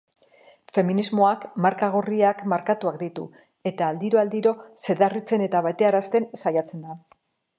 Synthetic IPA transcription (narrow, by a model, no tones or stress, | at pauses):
fe̞minizmo̞akmaɾkaɣ̞oriakmaɾkat̪uakd̪it̪ṵ | e̞t̪aːld̪iɾoald̪iɾo̞se̞ðarit͡se̞ne̞t̪aβajt̪e̞aɾast̪e̞nsajat͡se̞nd̪a